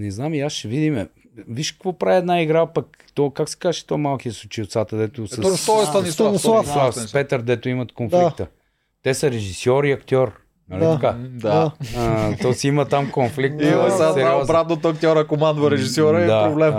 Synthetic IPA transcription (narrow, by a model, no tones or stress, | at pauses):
nɛznamiasʃɛvid̪imɛ | viʃkə̥kvɔpɾaviɛd̪naiɡɾapɐk̚ | t̪ɔkaksɛ̥kazʃɛ̥t̪ɔmalˠkiɛsʊt͡ʃiʊt̪sat̪əd̪ɛt̪ʊsət̪ɔɛst̪anisaaafpɛt̪əɾd̪ɛt̪ʊimɐt̪konfikt̪ə | t̪ɛsəɾɛʒisjɔɾiɐkt̪ʲɔɾ | nɐlʲiɐkad̪a | t̪ɔsiimət̪amkonflik̚t̪saɛɾaɔzbɾat̪not̪ɐkt̪jɔɾɐkomand̪vɐɾɛʒisjɔɾəid̪apɾoblɛm